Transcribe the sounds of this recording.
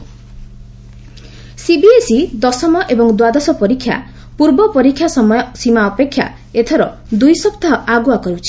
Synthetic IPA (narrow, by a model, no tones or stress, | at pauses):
sibiesid̪ɔsɔmɔʔebɔŋd̪wad̪asɔpɔɾikʰːja̰ | puɾbɔpɔɾikʰːjasɔmɔjsimaɔpekʰːja̰ | et̪ʰɔɾɔ | d̪ujsɔpt̪aɔʔaɡuakɔɾut͡ʃʰi̥